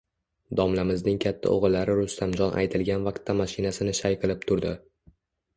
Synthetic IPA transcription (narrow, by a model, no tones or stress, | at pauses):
d̪ɒmlamɪznɪŋkʲʰat̪ʰːa̰ʔo̰ʁɨlːaɾɪɾʊst̪ʰamd͡ʒɒnʔa̰jt̪ʰɪlɡʲanvaq̚t̪ʰːamaʃɪnasɪnɪʃajqɨlˠɪp̚t̪ʰʊɾd̪ɪ